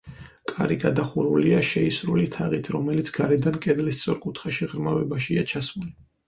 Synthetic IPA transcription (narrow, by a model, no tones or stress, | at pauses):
kʼaɾiɡad̪aχuɾuliaʃɛisɾulit̪ʰaʁit̪ʰɾɔmɛlit̪sʰɡ̥aɾɛd̪ankʼɛd̪list̪sʼɔɾkʼut̪ʰχaʃiʁɾmavɛbaʃiat͡ʃʰasmuli